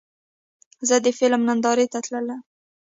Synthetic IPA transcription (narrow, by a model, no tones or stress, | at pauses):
zəd̪əfɪlmnand̪ɑɾet̪at̪ləla